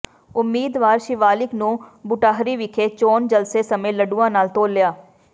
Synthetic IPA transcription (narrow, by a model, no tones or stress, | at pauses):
ʊmːiːd̪ʋaːɾʃɪʋaːlɪknũbʊʈaːɦɾiʋɪkʰet͡ʃoːnd͡ʒəlsesɐmə̃jləɖuãːnaːlt̪oːlːjaː